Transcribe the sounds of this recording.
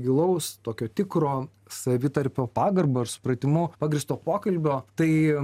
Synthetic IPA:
ɡʲɪlˠɐʊst̪oːkʲoːt̪ʲɪkɾoː | sɐʋʲɪt̪ɐɾʲpʲoːpɑːɡɐrbɐɪɾsʊ̥pɾɐt̪ʲɪmʊpɑːɡɾʲɪst̪oːpoːkɐlʲbʲoːt̪ɐɪ

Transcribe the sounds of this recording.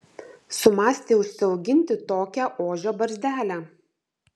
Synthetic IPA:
sʊmɑːsʲt̪ʲeːʊʃʲsʲsʲɪɒʊɡʲɪnʲt̪ʲɪt̪oːkʲæʔoːʒʲoːbɐɾʲzʲd̪ʲæːlʲæ

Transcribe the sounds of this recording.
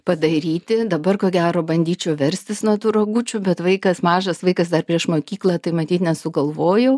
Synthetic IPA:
pɐd̪ɐɾʲiːt̪ʲɪd̪ɐbɐrkoːɡʲæːɾoːbɐnʲd̪ʲiːt͡ʃʲɛʊʋʲɛɾʲsʲt̪ʲɪsnut̪uːɾɐɡut͡ʃʲʊbʲɛt̪ʋɐɪkɐsmɑːʒɐsʋɐɪkɐsd̪ɐrpʲɾʲiɛʃmoːkʲiːklˠɐt̪ɐɪmɐt̪ʲiːt̪nʲɛsʊɡɐlˠʋoːjɛʊ

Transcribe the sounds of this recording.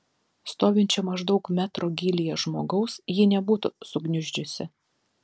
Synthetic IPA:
st̪oːʋʲɪnʲt͡ʃʲɛmɐʒd̪ɒʊkmʲæt̪ɾoːɡʲiːlʲɪjɛʒmoːɡɐʊsjɪːnʲɛbuːt̪ʊsʊɡnʲʊʒʲd͡ʒʲʊsʲɪ

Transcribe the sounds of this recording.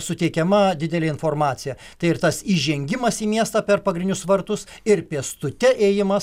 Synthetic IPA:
sʊt̪ʲɛɪkʲɛmɐd̪ʲɪd̪ʲɛlʲeːɪnfoːrmɑːt̪sʲɪjɛ | t̪ɐɪɪrt̪ɐsiːʒʲɛŋʲɡʲɪmɐsiːmʲiɛst̪ɑpʲɛrpɐɡɾʲɪnʲdʲʊsʋɐrt̪ʊs | ɪrpʲiɛst̪ʊt̪ʲɛʔeːjɪmɐ

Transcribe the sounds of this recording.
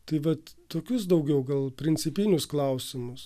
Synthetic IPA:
t̪ɐɪʋɐt̪toːkʲʊs̬d̪ɐʊɡʲɛʊɡɐlˠpʲɾʲɪnʲt͡ssʲɪpʲɪnʲʊsklˠɐʊsʲɪmʊs

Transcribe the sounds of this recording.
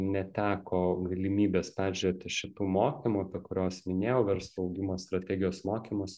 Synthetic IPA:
nʲɛt̪ʲæːkoːɡɐlʲɪmʲiːbʲeːspʲæːʒʲʊɾʲet̪ʲɪʃʲɪt̪uːmoːkʲimuːɐpʲɛkʊɾʲoːsmʲɪnʲeːjɛʊʋʲɛɾslˠuɐʊɡʲɪmoːst̪ɾɐt̪ʲɛːɡʲɪjoːsmoːkʲiːmʊs

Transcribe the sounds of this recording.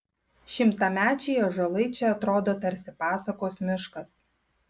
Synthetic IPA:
ʃʲɪmt̪ɐmʲæːt͡ʃʲejoːʒɐlˠɐɪt͡ʃʲɛɐt̪ɾoːd̪oːt̪ɐɾʲsʲɪpɑːsɐkoːsmʲɪʃkɐs

